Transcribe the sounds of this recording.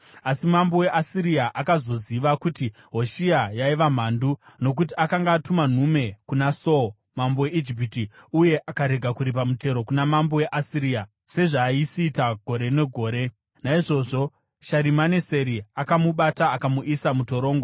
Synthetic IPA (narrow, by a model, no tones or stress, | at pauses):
asimambowe̞ʔasiɾiaʔakazo̞ziʋakuti | ɦo̞ʃiajaiʋam̤aːnduno̞k̬utiakaŋɡaːtuman̤ume̞kunaso | mambowe̞id͡ʒip̬itiuje̞ʔakaɾe̞ɡʱakuɾipamute̞ɾo̞kunamambowe̞ʔasiɾiːa | se̞ʐaːisiːtaɡʱo̞ɾe̞ne̞ɡʱo̞ːɾe̞ | naiʐo̞ʐo | ʃaɾimanese̞ɾiakamuɓataːkamuʔisamuto̞ɾo̞ːŋɡo